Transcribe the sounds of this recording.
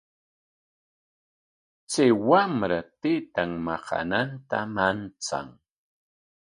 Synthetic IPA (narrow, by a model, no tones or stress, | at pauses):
t͡sajwamɾat̪ɪt̪aŋmɑqa̰nant̪amant͡sa̰ŋ